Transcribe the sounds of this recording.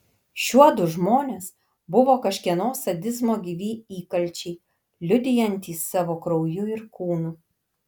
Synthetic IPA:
ʃʲuɔd̪ʊʒmoːnʲeːs | bʊʋoːkɐʃʲkʲiɛnoːsɐd̪ʲɪzmoːɡʲiːʋʲiːiːkɐlʲˑt͡ʃʲɛɪ | lʲʊd̪ʲɪjɛnʲt̪ʲiːsːɑːʋoːkɾɔʊjʊɪɾkuːnu

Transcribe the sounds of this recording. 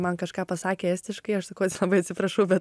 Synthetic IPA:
mɐnkɐʃkɑːpɐsɑːkʲeːɛsʲt̪ʲɪʃkɐɪɐʃsɐkɐʊt̪ʲɪlˠɐbɐɪɐt̪ʲsʲɪpɾɐʃɐʊbʲɛt̪

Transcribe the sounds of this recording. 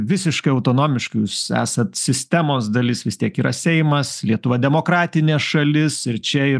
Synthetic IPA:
ʋʲɪsʲɪʃkɐɪɐʊt̪oːnoːmʲɪʃkjusæ̰ːsɐt̪sʲɪsʲt̪ʲæmoːsd̪ɐlʲɪsʋʲɪst̪ʲiɛkiːɾɐsʲɛɪmɐslʲiɛt̪ʊʋɐd̪ʲɛmoːkɾɑːt̪ʲɪnʲeːsʃɐlʲɪsɪɾt͡ʃʲɛɪ

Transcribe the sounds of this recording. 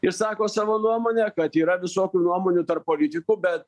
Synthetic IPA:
ɪɾsɑːkoːsɑːʋoːnuɔmoːnʲɛkɐt̪iːɾɐʋʲɪsoːkʲuːnuɔmoːnʲut̪ɐrppoːlʲɪt̪ʲɪkubʲɛt̪̚

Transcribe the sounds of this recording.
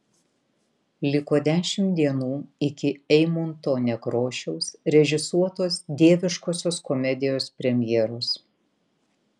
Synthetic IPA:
lʲɪkoːd̪ʲæːʃʲɪmd̪ʲiɛnuːɪkʲɪɛɪmont̪oːnʲɛkɾoːʃʲɛʊsɾʲɛʒʲɪsuɔt̪oːsd̪ʲeːʋʲɪʃkoːsʲoːskɔmʲɛd̪ʲɪjoːspʲɾʲɛmʲjɛːɾos

